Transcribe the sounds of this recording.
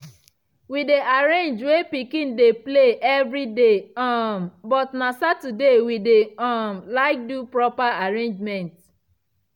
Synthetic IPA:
wideʔaɹẽnd͡ʒwepikĩndepleʔɛvɹideɔmbɔtnasatudewideɔmlaɪk̚dupɹɔpaaɹẽnd͡ʒmɛ̃nt

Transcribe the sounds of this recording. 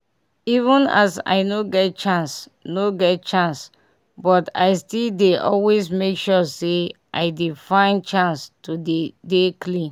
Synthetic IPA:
ivə̃na̰sa̰ɪnoɡɛt̚t͡ʃãns | noɡɛt̚t͡ʃãns | bɔta̰ɪstildeʔɔ̰lwesmekʃɔseʔaɪdifãɪ̃nt͡ʃãnstudedeklĩ

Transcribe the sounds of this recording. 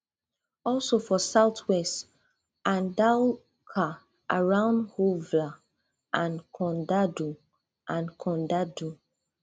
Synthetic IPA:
ɔlsofɔsaʊtwɛst | ãndal | kʰa | ʔa̰ɹãʊ̃ndhuvla | ʔãnkʰɔ̃ndadu | ʔãnkʰɔ̃ndadu

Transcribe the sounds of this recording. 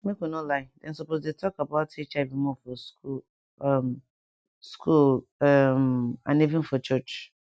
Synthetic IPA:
mẽkũnɔlaɪdɛ̃nsɔpozdetʰɔkabaʊtʰit͡ʃavĩmɔ̃fɔsku | m | skʰul | mã̰nevĩnfɔt͡ʃʰɜt͡ʃ

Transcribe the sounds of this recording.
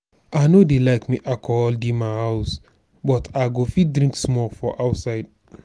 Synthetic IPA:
aɪnodelaɪkmiʔakʰɔɔldimahaʊs | bɔtʰaɡofit̚dɹĩŋksmɔlfɔʔaʊtsaɪd

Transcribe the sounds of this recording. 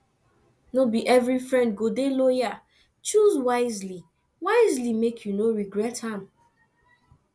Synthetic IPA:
nobiʔɛvɹifɹɛ̃nd̚ɡodeloja | t͡ʃuzwaɪzli | waɪzlimekʰjunoɹiɡɹɛthãm

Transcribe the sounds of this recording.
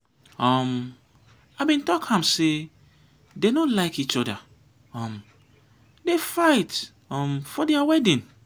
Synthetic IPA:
ɔm | abĩntɔkhãmse | denolaɪkit͡ʃɔda | ɔ̃m | defaɪt | ɔ̃mfɔdɛawɛdĩn

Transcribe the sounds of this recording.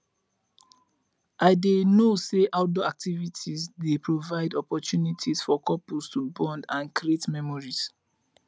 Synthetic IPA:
ʔaɪdenoseʔaʊdoak̚tivitʰizdepɹovaɪdɔpɔtjunitʰisfɔkɔpulstubɔ̃ndãnkɾietmɛmɔɹis

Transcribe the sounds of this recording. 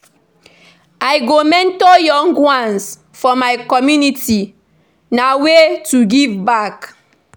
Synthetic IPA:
ajɡomɛ̃ntojɔ̃ŋɡwãns | fɔmaɪkɔmjuniti | nawetuɡivbak

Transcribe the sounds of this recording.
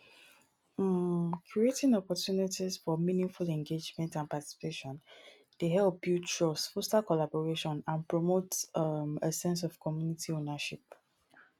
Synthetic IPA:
kʰɹietɪ̃ŋɔpɔtjunitiz̥fɔmĩnĩŋfulɛ̃ŋɡed͡ʒmɛ̃ntãnpati̥si̥peʃɔ̃n | d̥eɦɛlˠp̚bjut͡ʃɔsfɔstakɔlabɔɹeʃɔ̃nãnpɹɔmotməsɛ̃ns̬ɔv̥kʰɔmjunitʰionaʃip̚

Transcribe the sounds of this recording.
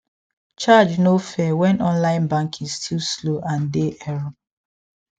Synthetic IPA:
t͡ʃad͡ʒnofɛwɛ̃nʔɔ̃nlãɪ̃nbãŋkʰĩstʰilsloʔãndeʔɛɹɔ

